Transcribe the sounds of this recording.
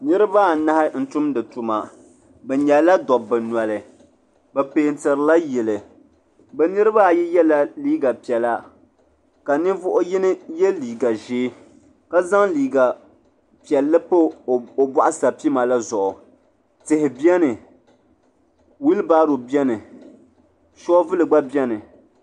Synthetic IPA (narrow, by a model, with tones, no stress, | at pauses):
nɨ˦ɾɨ˦baː˦˨˦na˦hɪ˦n̩˦tʊ˦mdɨ˨tʊ˨ma˨ | bɛ˨ɲɛ˨la˦dɔ˨bːɛ˨nwa˨lɨ˨ | bɛ˨peː˨n̩˦tɨ˨ɾɨ˨la˦jɛ˨lɨ˨ | bɛ˨nɨ˦ɾɨ˦ba˦˨jɛ˦jɛ˦la˦liː˦ɡa˨pi˨ɛ˨la˦ | ka˨nɨ˦vʊ˦ʔʊ˦jɪ˦nɨ˦jɛ˦liː˨ɡa˨ʒeː˦ | ka˦za˦ŋliː˨ɡa˨ | pi˨ɛ˨lːɨ˦po˦o˨bwa˦ʔa˦sa˨pi˦ma˨la˦zɔ˨ʔʊ˨ | tɨ˨hɪ˨bi˦ɛ˦nɨ˨ | wi˦lbaː˦ɾo˨bi˦ɛ˦nɨ˨ | ʃɔ˦vɨ˦lɨ˨ɡ͡ba˦bjɛ˦nɨ˨